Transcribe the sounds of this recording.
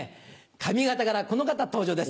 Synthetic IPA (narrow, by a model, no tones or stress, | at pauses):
kʰamʲiɡat̪akaɾako̞no̞kat̪at̪o̞ːʑoːd̪e̞s